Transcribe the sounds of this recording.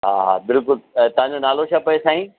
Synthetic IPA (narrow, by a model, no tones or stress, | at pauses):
ɦaːɦa̰ːbɪlkʊlt̪ɐʋãɲd͡ʑonaːloʃaːpɐjesaːɦĩː